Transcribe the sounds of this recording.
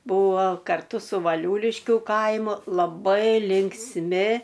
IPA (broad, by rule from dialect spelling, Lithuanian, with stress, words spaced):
ˈbuːʋoː kɐrˈtʊ sʊ ʋɐˈlʲuːlʲɪʃʲkʲʊ ˈkɐɪmʊ lˠɐˈbɐɪ lʲɪŋksʲˈmʲɪ